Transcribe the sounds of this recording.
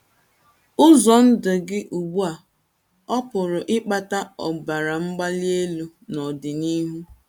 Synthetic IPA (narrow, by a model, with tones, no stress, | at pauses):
ʊ˦zɔ˨n̩˦dʊ˨ɡɪ˦ʔu˨ɡ͡bu˦a˨ | ɔ˦pʊ˨ɾʊ˨ʔɪ˦k͡pa˨ta˦ɔ̰˨ba˨ɾa˨ŋ͡m̩˦ɡ͡ba˦li˦e˦lu˦ | nɔ˨dɪ˨ni˦ɦu˦